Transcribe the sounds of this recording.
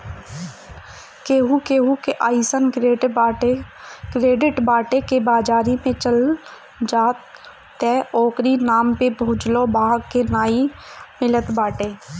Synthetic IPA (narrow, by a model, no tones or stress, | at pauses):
keːɦukeːɦukeʔaːisənkɾe | kɾeːɖɪʈbaːʈekebaːd͡ʒaːɾimẽt͡ʃəl | d͡ʒaːt̪ː | ɛːɔːkɾinaːmpebʱuːd͡ʒlobaːɡkenaːimɪlət̪baːʈeː